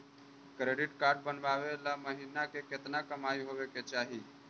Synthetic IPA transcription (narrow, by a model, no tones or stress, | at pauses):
kɾeːɖɪʈkaːɾɖ̚bənʋaʋelaməɦinakeket̪nakəmaːiɦoʋeket͡ʃaːɦi